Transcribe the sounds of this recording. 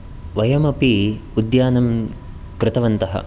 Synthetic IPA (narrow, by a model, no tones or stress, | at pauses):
ʋɐjɐmɐpiud̪jaːnɐm | kɾɪt̪ɐʋɐnt̪ɐɦɐ̰